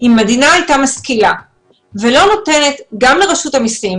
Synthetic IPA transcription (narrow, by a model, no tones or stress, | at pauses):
imːedinaːjtamaskila | velo̞no̞te̞ne̞t̪ɡamleʁeʃutamisim